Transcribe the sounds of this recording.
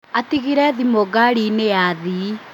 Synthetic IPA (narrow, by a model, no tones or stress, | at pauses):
atiɣiɾɛðimoɣaɾineaːði